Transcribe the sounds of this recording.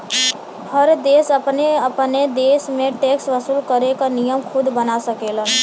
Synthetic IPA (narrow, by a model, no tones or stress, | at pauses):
həɾd̪eːsəpneəpned̪eːsmẽʈeːksʋəsuːlkəɾekanijəmkʰʊd̪bənasəkela